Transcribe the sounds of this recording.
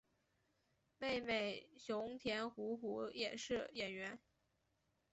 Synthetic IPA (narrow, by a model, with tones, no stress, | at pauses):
me˥˩ɪme˨˩ɪɕjʊ˧˥ŋt̪ʰjɛ˧˥nxu˧˥xu˧˥jɛ˨˩ʂɻ̩˥˩jɛ˨˩nɥɛ˧˥n